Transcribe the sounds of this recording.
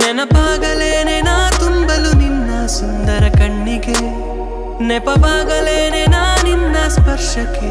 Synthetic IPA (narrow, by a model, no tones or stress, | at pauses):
nɛnɐbaːɡɐleːnenaːt̪umbɐluninːɐsund̪ɐɾɐkɐɳːiɡe | nɛpɐbʱaːɡɐleːnenaːninːɐspɐɾʂɐke